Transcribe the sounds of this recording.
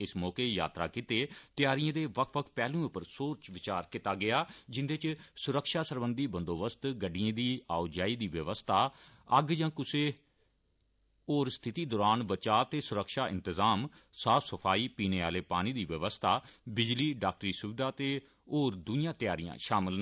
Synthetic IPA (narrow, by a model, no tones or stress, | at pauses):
ɪsmɔːkeːja̰ːt̪ɾa̰ːkit̪eːt̪ɪjaːɾɪjãːd̪eːʋəkʰʋəkʰpɛːlũːʊpəɾsoːɾt͡ʃʋɪt͡ʃaːɾkit̪aːɡɪaːd͡ʒɪnd̪eɪt͡ʃsʊɾəkʃaːsəɾbənd̪iːbə̃nd̪oːbəst̪ɡəɖɪjãːd̪iːaːod͡ʒaːiːd̪iːʋəʋəst̪ʰaː | əɡjãːkʊseː | oːɾst̪ʰɪt̪iːd̪ɔːɾaːnʋət͡ʃaːt̪eːsʊɾəkʃaːʔɪ̰̃nt̪əzaːmsaːfʰsəpʰaːiːpiːneːa̰ːleːpaːñiːd̪iːʋəʋəst̪ʰaːbɪd͡ʒliːɖaːk̚ʈɾiːsʊʋɪd̪aːt̪eː | oːɾd̪ʊnijãːt̪ɪjaːɾijã̰ːʃaːmɪl